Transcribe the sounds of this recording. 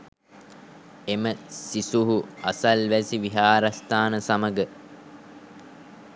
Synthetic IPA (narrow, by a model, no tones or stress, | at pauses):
eməsisuɦuasɐlʋæsiʋiɦaːɾast̪aːnəsaməɡə